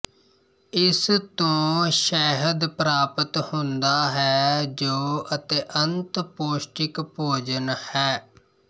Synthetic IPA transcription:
ɪst̪õːʃɛːɦəd̪pɾaːpət̪hʊ̃nd̪aːɦɛːd͡ʒoːət̪eːʔənt̪poːsʈɪkpoːd͡ʒənhɛː

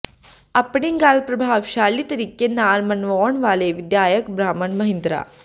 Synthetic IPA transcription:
ɐpːɐɳiŋɡaːlpɾɐbʱaːʋʃaːlːit̪ɐɾikːenaːɾmɐnʋɔːɳʋaːleʋid̪jaːjɐkbɾaːmɐɳmɐɦind̪ɾa̰ː

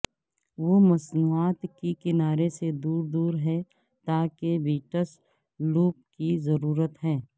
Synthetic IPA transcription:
ʋomɐsnuːaːt̪kikɪnaːɾesed̪uːɾd̪uːɾɦɛ | t̪aːkebiːʈəs | luːp̚kizɐɾuːɾət̪ɦɛ̃ː

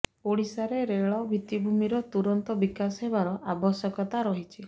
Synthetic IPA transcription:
oɽisaɾeɾeɭɔbʱit̪ibʱumiɾɔt̪uɾɔnt̪ɔbikasɔɦebaɾɔʔabɔsjɔkɔt̪aɾɔɦit͡ʃʰi

